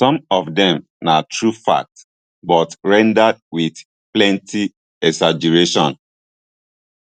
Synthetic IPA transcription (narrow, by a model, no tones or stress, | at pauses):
sɔ̃mɔfdɛ̃m | natʰɹufa̰k̚t | bɔtɹɛ̃ndad̚wiθ | plɛ̃nti | ɛsad͡ʒɛɹeʃɔ̰̃n